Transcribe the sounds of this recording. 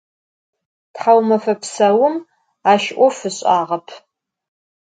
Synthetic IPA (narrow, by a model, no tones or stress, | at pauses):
tħawmɐfɐpʰsɐwʊm | aːʃʔʷɔfɨɕʼaːʁɐpʰ